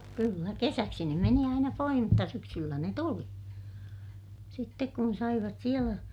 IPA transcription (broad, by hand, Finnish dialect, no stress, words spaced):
kylːæ kesæksi ne meni ɑinɑ poih mutːɑ syksylːæ ne tuli sitːek kun sɑiʋɑt sielæ